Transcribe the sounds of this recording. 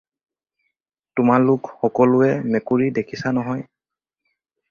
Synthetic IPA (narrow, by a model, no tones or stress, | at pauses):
tʊmalʊkxɔkɔlʊɛmɛkuɹidekʰisanɔɦɔj